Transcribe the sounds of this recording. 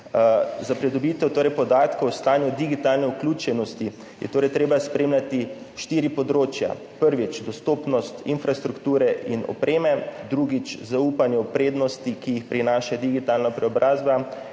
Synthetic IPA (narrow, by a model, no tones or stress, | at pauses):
zapɾɛd̪ɔbiːt̪ɛwt̪oːɾɛjpɔd̪aːt̪kowst̪aːnjud̪iɡit̪alnɛuklʲuːt͡ʃɛnɔst̪i | jɛ̰t̪oːɾɛjt̪ɾeːbaspɾeːmljat̪i | ʃt̪iːɾipɔd̪ɾoːt͡ʃja̰ | pəɾʋit͡ʃd̪ɔst̪oːpnɔst̪ḭnfɾast̪ɾukt̪uːɾɛʔinɔ̰pɾeːmɛd̪ɾuɡit͡ʃzauːpanjɛwpɾeːd̪nɔst̪ikijixpɾinaːʃad̪iɡit̪aːlnapɾɛɔbɾʔaːzba